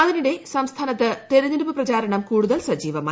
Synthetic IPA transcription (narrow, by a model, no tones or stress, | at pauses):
ɐðiniɽe̞sɐmst̪ʰaːnɐt̪ːɨt̪eɾɐɲːiɾubɨprɐt͡ɕaːɾɐɳɐmkuːɽuðɐlsɐd͡ʑiːʋɐma̰ː